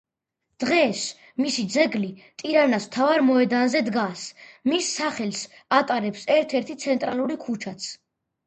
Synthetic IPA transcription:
d̪̥ʁɛs | misid̪zɛɡlit̪ʼiɾanasmt̪ʰavaɾmɔɛd̪anzɛd̪ɡasmisːaχɛlsat̪ʼaɾɛpsɛɾt̪ʰɛɾt̪ʰit̪sʰɛnt̪ʼɾalˠuɾikʰut͡ʃʰat̪sʰ

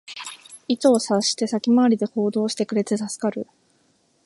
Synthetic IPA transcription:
it̪oːsaɕi̥t̪e̞sakʲimaːɾʲid̪e̞ho̞ːd̪o̞ːɕi̥t̪e̞kɯ̟ɾe̞tet̪asɨ̥kaɾɯ̟

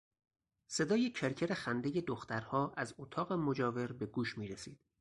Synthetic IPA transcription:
se̞d̪ɒːjecʰeɾcʰe̞ɾe̞xænd̪eje̞d̪oxt̪æɾhɒːʔæzot̪ʰɒːɣe̞mod͡ʒɒːve̞ɾbe̞ɡuːʃmiːɾesiːd̪̥

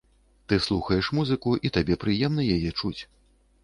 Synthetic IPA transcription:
t̪ɨslˠuxɐjɛʂmuzɨkuʔit̪abʲɛpɾɨjɛmnɐjajɛt͡ʂut͡sʲ

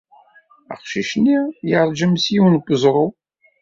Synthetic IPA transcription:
ə̰qʃiʃnːijəɾˤd͡ʒəmsjiwnɡʷːəzˤɾˤo

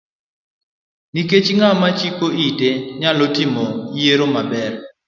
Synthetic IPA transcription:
niket͡ʃŋamat͡ʃikoʔiteɲalotimojeɾomabɛr

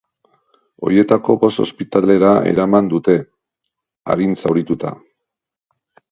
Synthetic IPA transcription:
o̞̰ɾje̞t̪ako̞bo̞st̪o̞spit̪ale̞ɾae̞̰ɾamand̪ut̪e̞ | a̰ɾinsawɾit̪ut̪a̰

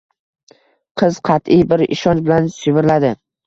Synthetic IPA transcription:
qʰɨz̥qʰɑt̪ɪjbɪɾɪ̰ʃɒnt͡ʃbɪlansʊvɪɾlad̪ɪ

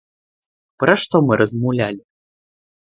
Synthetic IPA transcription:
pɾɐʂt̪ɔmɨɾʔɐzmawlʲalʲi

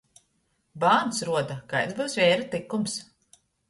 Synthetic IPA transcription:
baːnsɾuɔd̪akaj̪zbɨwsvʲɛːɾɨt̪ikːums

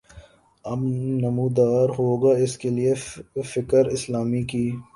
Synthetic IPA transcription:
ɐbnɐmuːd̪aːɾɦoːɡaːɪskeliefɪkəɾɪslaːmikiː

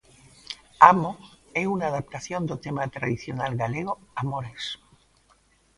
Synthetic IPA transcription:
amoeunaːðap̚t̪aθjond̪ot̪emat̪ɾaðiθjonalɣaleɣ̞oamoɾes

